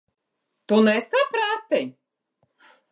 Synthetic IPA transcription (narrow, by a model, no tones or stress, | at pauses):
t̪unɛsapɾat̪i